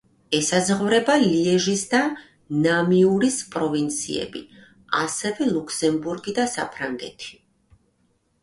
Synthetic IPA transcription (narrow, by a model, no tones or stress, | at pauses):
ɛsazʁvɾɛbaliɛʒisd̪a | namiuɾispʼɾɔvint̪sʰḭɛ̰bḭ | a̰sɛvɛlˠukʰsɛmbuɾɡid̪asapʰɾaŋɡɛ̰t̪ʰi̥